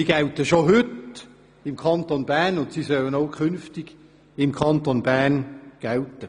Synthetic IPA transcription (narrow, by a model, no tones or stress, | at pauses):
iɡ̥æltəʃoɦʏt | ɪmkʰɑnt̪onbæːnʊntsisœlənoʊkʰχʏnftiɡ̥ | ɪmkʰɑnt̪onbæːnɡ̥æltə